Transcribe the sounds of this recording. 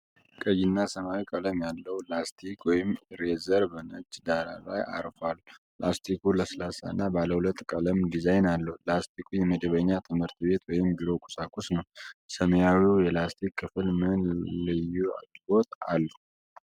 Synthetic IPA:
kʼəjɪnːasəmawikʼələmjalːəwlast̪ʰikʰwɔjɪmɾezəɾβɨnɨd͡ʒd̪aɾalajʔa̰ɾfal | last̪ʰikʰuləslasa̰ɨnːabaləhulət̪ʼːkʼələmɡizajnalːəhulast̪ʰikʼʰujɛməd̪əβəɲːat̪ʰɨmhɨɾt̪be̞t̪wɔjɪmbiɾo̞kʼu̥sʼakʼusnəwsəmjawiwjɛlast̪ʰikʰːɨfɨlmɨnlɨjua̰ɡbo̞t̪ʼa̰lːu

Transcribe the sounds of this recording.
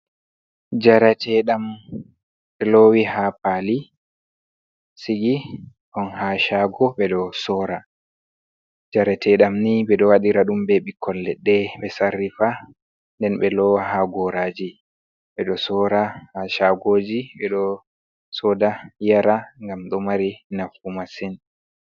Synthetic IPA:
d͡ʒaɾatʰɛɗam | ɓɛlowihapali | siɡi | ʔɔnhaʃaɡɔɓɛɗɔsɔːɾa | d͡ʒaɾatʰɛɗamniɓɛɗɔwaɗiɾaɗumbɛɓikʰːɔlːɛɗːɛɓɛsarːifa | ndɛnɓɛlɔwaɦaɡɔɾaːd͡ʒi | ɓɛɗɔsɔːɾahaʃaɡoːd͡ʒiɓɛɗɔ | sɔdajaɾaŋɡamɗɔmaɾinafumasɛn

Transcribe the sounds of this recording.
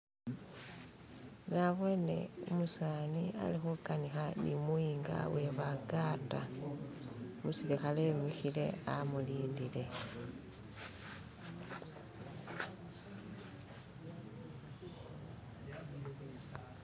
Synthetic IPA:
naβwe̞ne̞̰umusaːnia̰lixukanixanḭmuiːŋɡa̰we̞βaɡata̰ | musilixalemixile̞̰amuliːndile̞

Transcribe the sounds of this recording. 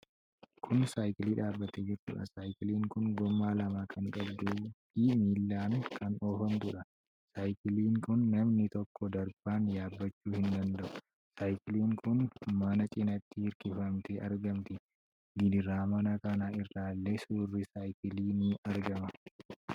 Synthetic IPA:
kʰʊnsaːjkɪliːᶑaːbːɐt̪eːd͡ʒɪɾt̪ʊ̰ᶑɐ̰saːjkɪliːŋkʊŋɡɔmːaːlɐmaːkʰɐŋkʼɐbd̪ufimiːlːaːnkʰɐnoːfɐnt̪ʊᶑɐ | saːjkɪliːŋkʊnːɐmnɪt̪ɔkʰːɔd̪ɐɾb̥aːnjaːbːɐt͡ʃːuːhɪnd̪ɐnd̪ɐʔʊ̥ | saːjkɪliːŋkʊnmɐnɐt͡ʃʼɪnɐt̪ːɪhɪɾkɪfɐmt̪eːʔɐɾɡɐmt̪ɪ | ɡɪd̪ɪɾaːmɐnɐkɐnaːɪrːaːlːe̞ːsuːrːɪsaːjkɪliːniʔɐɾɡɐmɐ

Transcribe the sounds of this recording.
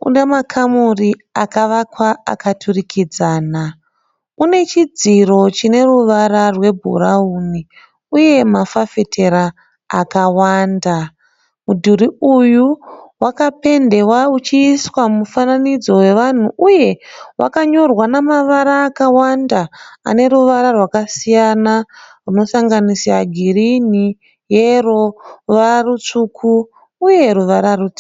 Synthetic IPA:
ṵne̞makʰamuri | akaʋakwaa̰katʰurikid͡zaːna | une̞t͡ʃid͡ziro̞t͡ʃine̞ruʋaɾarwe̞bʱṵɾauni | uje̞mafafe̞tʰe̞ɾaː | kawaːnda | mudʱuɾiujuwakape̞nde̞waut͡ʃiːswamufananid͡zo̞we̞ʋan̤uʔuje̞wʔa̰kaɲo̞rwanamaʋaɾaːkawandaa̰ne̞ɾuʋaɾarwakasijanaruno̞saŋɡanisaɡʱiɾini | je̞roʋararut͡ʂukʰuː | je̞ruʋaɾarut͡si

